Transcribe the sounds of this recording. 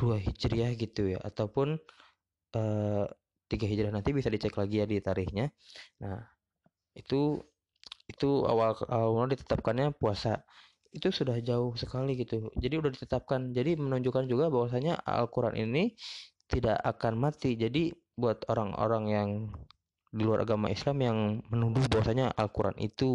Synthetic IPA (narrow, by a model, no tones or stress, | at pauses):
d̥uaɦid͡ʒɾiahɡit̪uja̰ʔa̰t̪aupʊn | əː | t̪iɡaɦid͡ʒɾiahnant̪ibisadit͡ʃɛklaɡijadit̪aɾɪhɲanah | it̪u | it̪ua̰walaladit̪ə̥t̪ap̚kanɲapuasa | it̪usudahd͡ʒaʊhsəkaliɡit̪ud͡ʒadiudahdit̪ət̪ap̚kand͡ʒadimənuɲd͡ʒukand͡ʒuɡabawas̬aɲaa̰lkuɾa̰nʔḭni | t̪idaʔakanmat̪id͡ʒadi | buat̪oɾaŋo̰ɾaŋjaŋ | diluaɾʔa̰ɡama̰islamjaŋmənudʊhbawasaɲaʔa̰lkuɾa̰nʔḭt̪u